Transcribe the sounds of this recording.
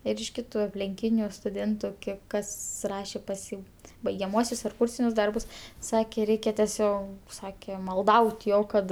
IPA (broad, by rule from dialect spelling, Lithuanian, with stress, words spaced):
ɪr ɪʃ ˈkʲɪtʊ ɐpʲlʲɪŋʲˈkʲiːnʲʊ stʊˈdʲeːntʊ ˈkʲiɛk ˈkɐs ˈrɑːʃʲeː pɐs ˈjiː bɐɪɡʲɛˈmuɔsʲʊs ɐr ˈkuːrʲsʲɪnʲʊs ˈdɐrbʊs ˈsɑːkʲeː ˈrʲɛɪkʲɛ tʲɛˈsʲoː ˈsɑːkʲeː mɐlˠˈdɐʊtʲ ˈjoː ˈkɐt